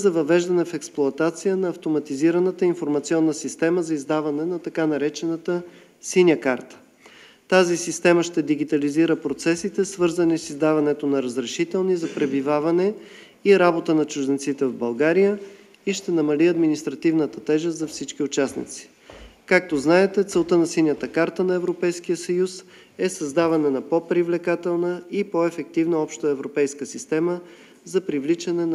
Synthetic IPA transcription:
zɐvɐvɛʒd̪ɐnɛfɛksplˠʊɐt̪at̪sijənɐːft̪omɐt̪iziɾənət̪əinfoɾmɐt̪siɔnːəsist̪ɛməzɐizd̪avɐnɛnɐt̪ɐkanɐɾɛt͡ʃɛnət̪ə | sinʲəkaɾt̪ə̥ | t̪azisist̪ɛməʃt̪ɛd̪iɡit̪ɐliziɾəpɾot̪sɛsit̪ɛsvɤɾzənisizd̪avɐnɛt̪onɐɾəzɾɛʃit̪ɛlˠnizɐpɾɛbivavɐnɛ | iɾabot̪ənɐt͡ʃʊʒd̪ɛnt̪sit̪ɛvvbɐlˠɡaɾijə | iʃt̪ɛnɐmɐliɐd̪minist̪ɾɐt̪ivnət̪ət̪ɛʒɛst̪zɐfsit͡ʃkiʊt͡ʃasnḭt̪si̥ | kak̚t̪oznaɛt̪ɛt̪sɛlˠt̪ənɐsilnʲjət̪əkaɾt̪ənɐɛvɾopɛjsk̟ijəsɐjus | ɛsɐzd̪avɐnɛnɐpopɾivlɛkat̪ɛlˠnəipoɛfɛk̚t̪ivnəɔpʃt̪əɛvɾopɛjskəsist̪ɛmə | zɐpɾivlit͡ʃɐnɛn

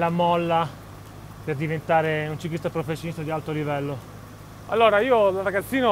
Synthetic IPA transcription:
lamɔlːa | perd̪ivent̪aːɾeunt͡ʃiklist̪apɾofesjonist̪ad̪ialt̪olivɛlːo | a̰lːoːɾaiːolrːaɡat̪sːiːna

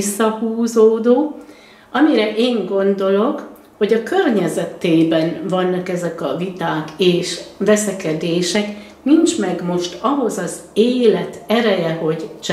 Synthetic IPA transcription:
sːɒhuːzoːd̪oː | ɒmiɾɛʔeːŋɡo̞nd̪o̞lo̞k | ho̞ɟɒkørɲɛzɛt̪eːbɛnvɒnːɒkɛzɛkɒvit̪aːkeːʃvɛsɛkɛd̪eːʃɛk | nint͡ʃmɛɡmo̞ʃt̪ɒɦo̞zɒzeːlɛt̪ɛɾɛjɛɦo̞ɟt͡ʃ

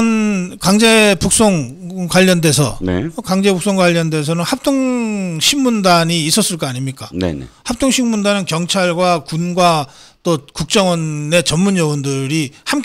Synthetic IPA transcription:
nkaŋd͡ʑe̞puk̚s͈oŋ | kwaʎːʌnde̞sʰʌ̰nḛkaŋd͡ʑe̞buk̚s͈oŋɡwaʎːʌnde̞s̬ʰʌnɯnhap̚t͈ʰoŋɕʰinmundaɲiːs͈ʌs͈ɯɭk͈ʌaɲimɲik͈anḛhap̚t͈ʰoŋɕʰinmundanɯnkjʌŋt͡ɕʰaɭɡwakunɡwa | t͈okuk̚t͡ɕ͈ʌŋwʌnːe̞t͡ɕʌnmuɲjʌondɯɾiham

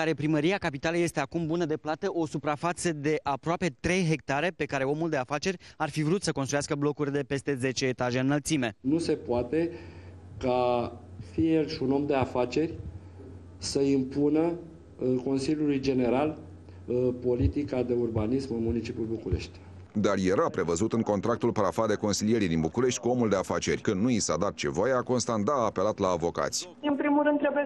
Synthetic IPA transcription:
aɾe̞pɾiməɾiakapit̪aleje̞st̪e̞akumbunəd̪e̞plat̪əʔo̞supɾafat̪səd̪e̞ʔapɾoape̞t̪ɾe̞jɦe̞k̚t̪aɾe̞pe̞kaɾe̞o̞muld̪e̞afat͡ʃe̞ɾʲarfivɾut̪səko̞nst̪ɾujaskəblo̞kurʲd̪e̞pe̞st̪e̞ze̞t͡ʃe̞ːt̪aʒe̞ɨnːəlt̪sime̞nuse̞poat̪e̞ | ka | fiejelʃiuno̞md̪e̞afat͡ʃe̞rʲ | səimpunə | ko̞nsiljulujd͡ʒe̞ne̞ɾal | po̞lit̪ikad̪e̞urbanismɨnmunit͡ʃipʲjulbukuɾe̞̰ʃt̪ʲ | d̪arje̞ɾapɾe̞vəzut̪ɨŋko̞nt̪ɾak̚t̪ulpaɾafad̪e̞ko̞nsilije̞ɾid̪inbukuɾe̞ʃt̪ʲkuo̞muld̪e̞afat͡ʃe̞rʲkɨnd̪nuisad̪at̪̚t͡ʃe̞̰vojeako̞nst̪and̪aːpe̞lat̪laːvo̞ka̰t̪sʲɨnpɾimulɾɨnd̪ɾebuje

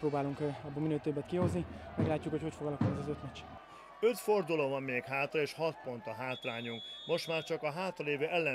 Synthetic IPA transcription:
roːbaːluŋkɒbːominøːt̪øbːɛt̪kiho̞znimɛɡlaːcːukhocho̞cfo̞ɡɒlɒkunɛzɒzøt̪mɛt͡ʃ | øt̪fo̞rd̪uloːvɒmːeːkɦaːt̪rɒeːʃhɒt̪̚po̞nt̪ɒɦaːt̪raːɲuŋkmo̞ʃt̪maːrt͡ʃɒkɒɦaːt̪rɔleːvøːʔɛlːɛ

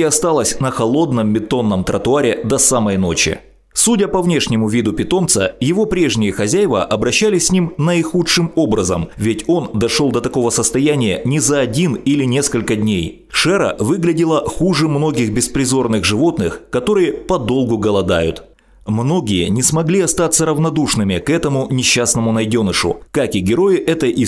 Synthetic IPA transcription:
ɐst̪alˠəsʲnəxɐlˠo̞d̪nəmːʲɪt̪o̞nːəmt̪ɾət̪ʊaɾʲɪd̪ɐsaməjno̞t͡ɕɪ̰ | sudʲəpɐvnʲe̞ʂnʲɪmʊvʲid̪ʊpʲɪt̪o̞mt̪səjɪvo̞pɾʲe̞ʐnʲɪjəxɐzʲæjvə̰ʔɐbɾɐɕːælʲɪsʲsʲnʲimnəɪxutʂɨmo̞bɾəzə̰mvʲɪtʲo̞nd̪ɐʂolˠd̪ɐt̪ɐko̞vəsəst̪ɐjænʲɪjə̰nʲɪzɐːdʲinilʲɪnʲe̞skəlʲkədʲnʲej | ʂɛɾə̰vɨɡlʲɪdʲɪlˠəxuʐɨmno̞ɡʲɪɣbʲɪspɾʲɪzo̞rnɨɣʐɨvo̞t̪nɨxkɐt̪o̞ɾɨjəpɐd̪o̞lˠɡʊɡəlˠɐd̪a̰jʊ̰t̪ | mno̞ɡʲɪjənʲɪsmɐɡlʲiɐst̪at̪sːəɾəvnɐd̪uʂnɨmʲɪkɛt̪əmʊnʲɪɕːasnəmʊnɐjdʲonɨʂʊ̰kakɪɡʲɪɾo̞jɪʔɛt̪əʔi

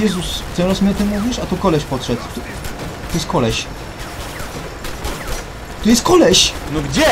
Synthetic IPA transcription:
jɛzusɛ̃w̃ɾasmʲiɔt̪ɨmːuvʲiʂat̪ɔkɔlɛɕpɔtʂɛt̪st̪ | t̪ɔjɛst̪kɔlɛɕ | t̪ɔjɛst̪kɔlɛɕnɔɡd͡ʑɛ

